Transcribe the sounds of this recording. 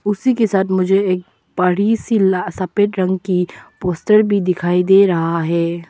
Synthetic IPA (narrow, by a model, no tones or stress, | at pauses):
ʊsikesaːt̪ʰmʊd͡ʒʱeeːk̚ | pɐɽ̤isilasɐpeːʈɾɐ̃ŋɡkipoːsʈəɾbʱid̪ɪkʰaːid̪eːɾɐɦaɦɛː